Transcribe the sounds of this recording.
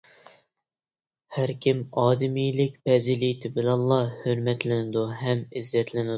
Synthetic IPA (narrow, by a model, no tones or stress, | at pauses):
hæɾkʲʰimɑːd̪ɪmijlɪkʲpɛzilit̪ʰɪbɪlɛnlˠːɑhøɾmɛt̪lɪnɪd̪uɦɛmɪzːɛt̪ʰlɪnɪ